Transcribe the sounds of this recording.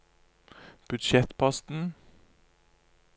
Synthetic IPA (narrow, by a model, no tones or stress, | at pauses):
b̥ʉd̪ʃɛt̪pʰɑst̪n̩